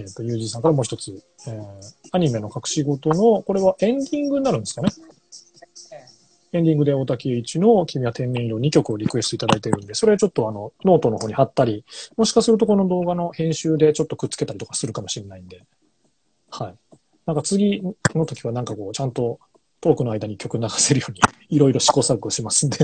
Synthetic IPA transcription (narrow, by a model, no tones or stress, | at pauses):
et̪ːo̞jɯ̟ːʑiːsãŋkaɾamoːçi̥t̪o̞t͡sɨ | eːaɲ̟ime̞no̞kakɯ̟̥ɕiɡo̞t̪o̞no̞ko̞ɾe̞β̞aʔẽ̞nd̪ʲĩŋɡɯ̟ɲinaɾɯ̟nsɨ̥kane̞ | ẽ̞nd̪ʲĩŋɡɯ̟d̪e̞o̞t̪akʲieit͡ɕino̞kʲimʲiat̪ʰẽ̞nːẽiɾo̞ɲ̟ikʲo̞kɯo̞ɾʲikɯ̟e̞st̪oit̪ad̪ait̪e̞ɾɯ̟nd̪e̞so̞ɾe̞at͡ɕo̞t̪ːo̞ano̞no̞ːt̪o̞no̞hoːɲ̟ihat̪ːaɾʲimo̞ɕi̥kasɨɾɯt̪o̞ko̞no̞d̪o̞ːɡano̞hẽ̞ɰ̃ɕɨːd̪e̞t͡ɕo̞t̪ːo̞̥kɯ̟t̪t͡sːɨ̥ket̪aɾʲit̪o̞kḁsɨɾɯ̟kamo̞ɕiɾe̞naĩnd̪e̞ | hai | nãŋkat͡sɨɡʲino̞t̪o̞kʲiβanãŋkako̞ːt͡ɕãnt̪o̞ | t̪oːkɯnoaid̪aɲ̟ikʲo̞kɯ̟naɡase̞ɾɯ̟jo̞ːɲ̟iiɾo̞iɾo̞ɕi̥ko̞ːsaɡkɯoɕimasɨ̃nd̪e